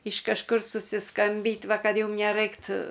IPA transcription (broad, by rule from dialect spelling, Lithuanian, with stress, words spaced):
ɪʃ kɐʃˈkʊr sʊsʲɪˈskɐmʲbʲiːtʲ ˈʋɐ ˈkɐt ˈjʊm nʲɛˈrɐɪktʊ